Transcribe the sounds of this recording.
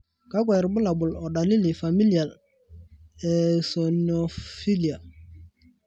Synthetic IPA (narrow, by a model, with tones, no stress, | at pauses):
ka˦k̬wɛ˨ɾbʊ˦la˨bʊ˨lɔ˨ɗa˨li˦li˨fa˨mi˦li˨a˨l | ɛ˨sɔ˨nɔ˨fi˦li˨a˨